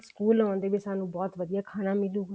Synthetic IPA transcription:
skuːlɔ̃ːnd̪eːbisaːnũːbɔːt̪ʋəd̪ijaːkʰaːnamɪluː

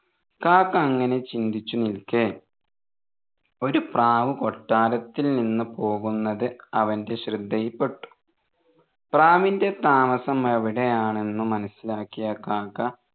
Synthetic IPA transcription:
kaːkːɐːŋːɐne̞t͡ɕind̪ʱit͡ɕːunilke | o̞ɾupraːʋɨko̞ʈːaːɾɐt̪ːilninːupo̞ːɣunːɐðɨɐʋɐnde̞ɕrɨd̪ʱːɐjpːe̞ʈːu̥ | praːminde̞t̪aːmɐsɐmeʋiɽe̞jaːɳe̞nːumɐnɐsilaːkːijɐkaːkːɐ

